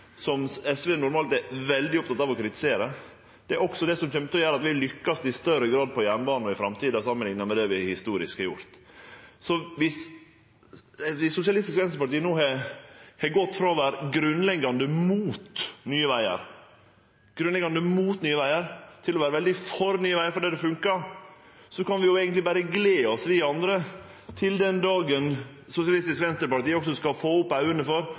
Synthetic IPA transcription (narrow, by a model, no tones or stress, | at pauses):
sɔmɛsʋeːnʊɾmɑːlt̪ɛʋɛld̪ɪɔp̚t̪ɑt̪ɑːʋɔkɾɪt̪ɪ̥seːɾə | d̪̥ɛæɾɔksɔd̪ɛsɔmçɛmpt̪ɔjøːɾəɑt̪ʋɪlʏkːɑsd̪ɪst̪œɾəɡɾɑːd̪̚pʰɔjænbɑːnɔɪfɾɑmt̪ʰiːd̪ɑsɑmːənɪŋnəmɛd̪ɛʋɪhɪst̪uːɾɪ̰skhɑɾjʊ̰ɾt̪sɔʋɪs | ʋɪsːʊsjɑlɪst̪ɪskʋɛnsəpɑʈiːənoːhɛhɛɡɔt̪ːfɾɑːʋæɾɡɾʉnlɛɡːɑnd̪əmuːt̪nyːəʋæɪə̰ɾ | ɡ̥ɾʉnlɛɡɑnd̪əmuːt̪nyːəʋæɪəɾt̪ʰɪlɔʋæːɾəʋɛld̪ɪfɔɾnyːəʋæɪəɾfɔɖɛd̪ɛfʉŋkɑ | sɔkɑnʋɪjʊɛːɡənt̪lɪbæɾəɡleːɔsʋɪɑnd̪ɾət̪ʰɪld̪ɛnd̪ɑːɡən | sʊsɪɑlɪst̪ɪskʋɛnst̪əɾpɑʈiːəɔksɔskɑfoːʊpːɑʉənəfɔɾ